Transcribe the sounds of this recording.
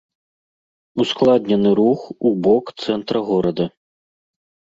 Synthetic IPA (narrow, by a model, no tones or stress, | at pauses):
usklˠad̪ʲnʲɛnɨɾuxubɔkt̪sɛnt̪ɾɐɣɔɾɐd̪ɐ